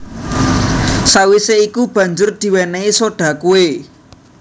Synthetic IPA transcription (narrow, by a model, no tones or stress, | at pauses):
sawiseikub̥ä̤ɲd͡ʒʊrd̪̥i̤wɛneisoɖ̥ä̤kue